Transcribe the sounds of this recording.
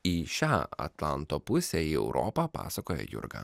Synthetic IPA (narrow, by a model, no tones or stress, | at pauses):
iʃʲaːɐ̰t̪lˠɐ̰nt̪oːpʊsʲɛiɛʊɾʔɔ̰pɑpɑ̰ːsɐkoːjɛ̰ːjʊ̰ɾɡɐ̰ː